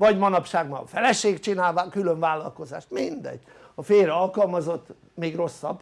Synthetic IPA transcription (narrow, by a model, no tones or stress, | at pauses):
vɒɟmɒnɒpʃaːɡmɒ̰lfɛlɛʃeːkt͡ʃinaːlvakyløɱvaːlːɒlko̞za̰ːʃt̪mind̪ɛ̰ɟː | ɒfeːɾɛɒlkɒlmɒzo̞t̪ː | meːɡro̞sːɒ̰b